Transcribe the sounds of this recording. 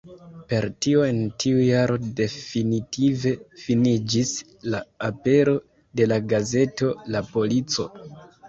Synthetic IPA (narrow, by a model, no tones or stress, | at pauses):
pe̞ɾtio̞e̞ntʰiujaɾo̞de̞finitʰive̞finid͡ʒis | laape̞ɾo̞ | de̞laɡaze̞to̞lapo̞lit͡so̞̰